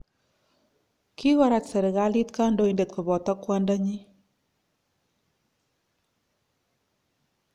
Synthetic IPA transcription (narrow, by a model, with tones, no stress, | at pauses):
kʰi˦ɣa˨ɾa˨tsɛ˨ɾɛ˨ɣa˦li˦t̪ka˦ndo˦i˨nde˨t̪̚ko˨bɔ˨tɔ˦kːwa˦nda˦ɲi˦